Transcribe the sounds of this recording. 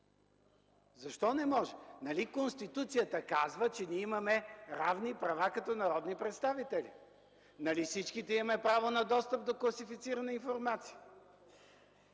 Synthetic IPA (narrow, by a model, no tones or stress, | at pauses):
zɐʃt̪ɔnɛmɔʒɛnɐlikonst̪it̪ut̪sijət̪əkazvət͡ʃɛnʲiimɐmɛɾavnipɾɐvakɐt̪ɔnɐɾɔd̪nipɾɛt̪st̪avit̪ɛlḭ | nɐlifsit͡ʃkit̪ɛimɐmɛpɾavonɐd̪ɔst̪əp̚d̪oklˠɐsifit̪siɾɐnɐinfoɾmat̪si̥ə